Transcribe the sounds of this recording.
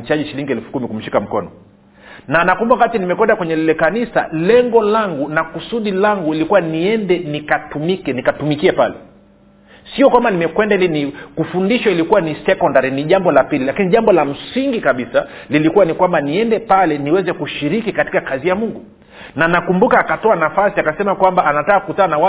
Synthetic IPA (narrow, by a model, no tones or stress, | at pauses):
t͡ʃaʄiʃiliŋɡiɛlfu̥kumikum̩ʃikam̩kɔ̰nɔ̰ | nanakumbawakatinimɛkwɛndakwɛɲɛlilɛkanisa̰lɛŋɡɔlaŋɡunakusuɗilaŋɡuilikuwaniɛndɛnikatumikɛnikatumikiɛpalɛ̰ | siɔkwambanimɛkwɛndalinikufundiʃɔilikuwanisɛkɔndaɾiniʄambɔlapililakiniʄambɔlam̩siŋɡikaɓisa | lilikuwanikwambaniɛndɛpalɛniwɛzɛkuʃiɾikikati̥kakazijamuŋɡu | nanakumbukaːkatɔanafasiakasɛmakwambaːnatakːkutaanawa